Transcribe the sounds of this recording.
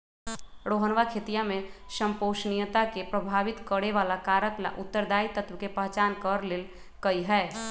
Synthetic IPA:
ɽoɦənʋakʰet̪ijamesəmpoʃnijət̪akepɾəbʱaʋit̪kəɽeʋalakaɾəkla̰ʔut̪ːəɾd̪ait̪ət̪ʋkepəɦt͡ʃaːnkəɾleːl | kəiɦɛː

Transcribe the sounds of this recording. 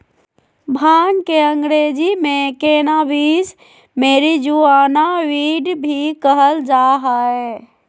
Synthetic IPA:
bʱaːnkeəŋɡɾeːd͡ʒimẽkenabis | meɾid͡ʒuaːnaʋiɖbʱikəɦəld͡ʒaɦae

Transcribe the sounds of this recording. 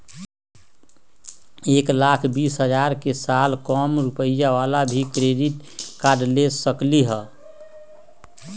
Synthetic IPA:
eklakʰbisɦəd͡ʒaɾkesalkɔmɾupəijaʋalabʱikɾeɖiʈkaɖlesəkliɦə

